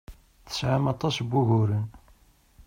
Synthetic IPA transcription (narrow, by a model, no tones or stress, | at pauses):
θə̥sʕamɑt̪ˤɑsbʊʝʊɾən